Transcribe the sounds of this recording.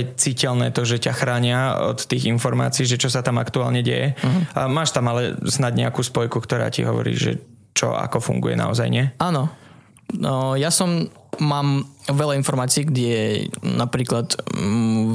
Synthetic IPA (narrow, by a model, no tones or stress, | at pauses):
jt͡siːcɛlnɛːt̪ɔʒɛcaxɾaːɲɪaɔ̰t̪ːiːɣinfɔɾma̰ːt͡siːʒɛt͡ʃɔsat̪ama̰kt̪ua̰ːlɲɛɟɛ̰jɛmaːʃt̪amalɛ̰snaɟɲɛakuːspɔjkukt̪ɔɾa̰ːcḭɦɔʋɔ̰ɾḭːʒɛ̰ | t͡ʃɔ̰a̰kɔfṵŋɡṵjɛ̰na̰ɔzajɲɪɛaːnɔ | jasɔmː | aːmʋɛlainfɔɾmaːt͡siːɡɟɛjɛnapɾiːklat̪